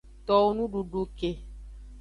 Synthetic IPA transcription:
t̪ɔ˨wo˦nũ˦ɖu˨ɖo˨ke˨

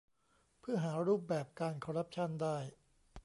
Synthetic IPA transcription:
pʰɯ˥˩ɐɦaː˩˦ɾuː˥˩p̚bɛː˨˩p̚kaː˧nkʰɔː˧ɾa˦˥p̚t͡ɕʰa˥˩ndaː˥˩j

